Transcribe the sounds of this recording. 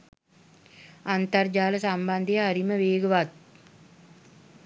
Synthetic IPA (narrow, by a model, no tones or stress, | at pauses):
ant̪ərd͡ʒaːləsamband̪ejəaɾiməʋeːɡəʋat̪̚